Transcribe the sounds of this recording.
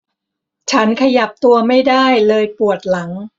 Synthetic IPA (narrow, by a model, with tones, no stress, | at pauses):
t͡ɕʰa˦˥nkʰa˧ja˨˩p̚t̪u˧ɐma˥˩jdaː˥˩jlɤː˧jpu˨˩ət̪̚la˩˦ŋ